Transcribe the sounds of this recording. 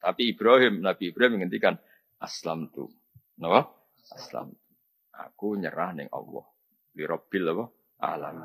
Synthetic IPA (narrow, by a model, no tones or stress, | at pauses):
t̪apiːb̥ɾaɦɪmnab̥iːb̥ɾaɦɪmŋənt̪ikan | ʔaslamt̪ṵ | nɔwɔ | asla̰mt̪u | ʔa̰kuɲə̰ɾahnɪ̰ŋʔɔ̰lːɔ̰h | wiɾɔb̥ɪlːɔwɔ | ʔa̰la̰m